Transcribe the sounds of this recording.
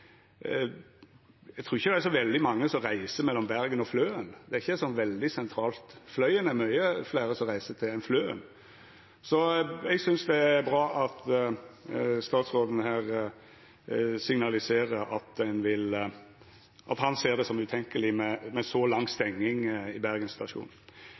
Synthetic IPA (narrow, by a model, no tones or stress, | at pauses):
ɛɡt̪ʰɾuːɾɪçːəd̪æsɔʋɛld̪ɪmɑŋːəsɔɾæɪsəmɛlːɔmbæɾɡənɔfløːənd̪ɛæɾɪçːəɛsɔnʋɛld̪ɪsɛnt̪ʰɾɑːlt̪flœʏənæɾmœʏəflæːɾəsɔmʁæɪsət̪ʰɪɛnfløːə̰n | sɔɛɡsʏnsd̪ɛæɾbɾɑːʔɑt̪ | st̪ɑːt̪sʁoːd̪ən̩ɦæːɾ | sɪŋnɑlɪseːɾəɾɑt̪̚d̪ɛnʋɪl | ʔɑt̪hɑnseːʁd̪ɛsɔmʉːt̪ʰɛŋkəlɪmɛmɛsɔlɑŋːst̪ɛŋːɪŋɪbæɾɡənsɪt̪ɑʂṵːn